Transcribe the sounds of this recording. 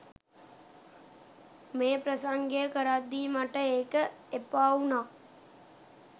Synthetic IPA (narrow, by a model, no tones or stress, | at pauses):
meːpɾəsaŋɡejəkəɾad̪ːiːmaʈəeːkəepaːunaː